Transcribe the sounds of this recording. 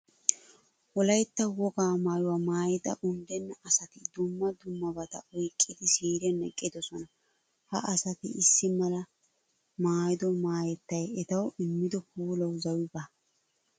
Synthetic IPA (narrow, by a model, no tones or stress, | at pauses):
wɔlɐjt̪ːɐwɔɡaːmaːjʊwaːmaːjɛd̪ɐ̰ʔʊnd̪ɛnːɐʔɐsɐt̪ɪd̪ʊmːɐd̪ʊmːɐbɐt̪ɐ̰ʔɔjkʼːɪd̪ɪsiːɾɛnɛkʼːɪd̪ɔsɔnɐ | hɐ̰ʔɐsɐt̪ɪɪsːɪmɐlɐ | maːjɪd̪ɔmaːjɛt̪ːɐjɛt̪ɐwʔɪmːɪd̪ɔkuːlɐwzɐwɪbɐ